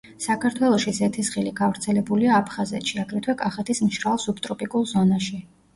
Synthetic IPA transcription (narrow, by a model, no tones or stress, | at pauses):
sakʰaɾt̪ʰwɛlˠɔʃizɛt̪ʰisχiliɡavɾt̪sʰɛlɛbuliaːpʰχazɛ̰t̪ʃiaɡɾɛt̪ʰwɛkʼaχɛt̪ʰismʃɾalˠsupt̪ʼɾɔpʼikʼulˠzɔnaʃi